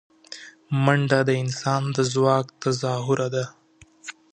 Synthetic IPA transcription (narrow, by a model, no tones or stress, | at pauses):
maɳɖad̪əɪnsɑnd̪əzwɑkt̪azɑɦʊɾʔad̪a